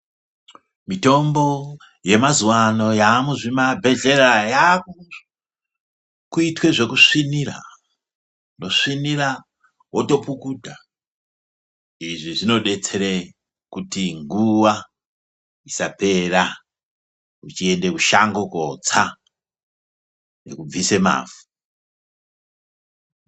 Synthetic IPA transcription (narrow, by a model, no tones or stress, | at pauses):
mito̞mbo̞ | je̞mazuwano̞jamuʐimabʱe̞ɮe̞ɾajaku | kuitwe̞ʐe̞kuʂinira̰ | no̞ʂinira | woto̞pukuːdʱa | iʐiʐino̞ɗe̞t͡se̞ɾe | kutiŋɡuʋa | isape̞ra | ut͡ʃie̞nde̞kuʃaŋɡo̞kot͡sa | ne̞̰kub͡vise̞ma̰ːfu̥